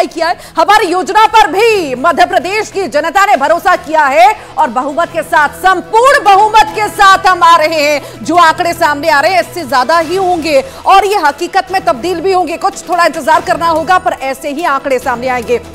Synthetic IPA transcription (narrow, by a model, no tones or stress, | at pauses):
ikijaɦɛ | hɐmaːɾijoːd͡ʒnapɐɾbʱimɐd̪ʱjəpɾɐd̪eːʃkid͡ʒɐnət̪anebʱɐɾoːsakijaɦɛ | ɔːɾbɐɦuːmət̪̚kesaːt̪ʰsɐ̃mpʊːɾɳbɐɦuːmət̪kesaːt̪ʰɦɐmaːɾɐɦeɦɛ̃ | d͡ʒoːãːkɽesaːmneaːɾɐɦeɦɛ̃ɪsːezjaːd̪aɦiɦõːŋɡe | ɔːɾjeɦɐqiːkət̪mẽt̪ɐb̚d̪iːlbʱiɦõːŋɡekʊt͡ʃʰt̪ʰoːɽaɪ̃nt̪əzaːɾkɐɾnaɦoːɡapɐɾʔɛːseɦiãːkɽesaːmneaːẽːŋɡeː